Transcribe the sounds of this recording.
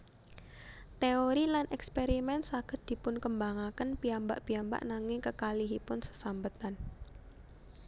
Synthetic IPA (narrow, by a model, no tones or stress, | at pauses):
t̪eoɾilanʔɛkspeɾimɛnt̪saɡ̥ət̪̚d̪̥i̤pʊnkəmbaŋakənpiamba̰ʔpiamba̰ʔnaŋɪŋkəkaliɦipʊnsə̥sambət̪an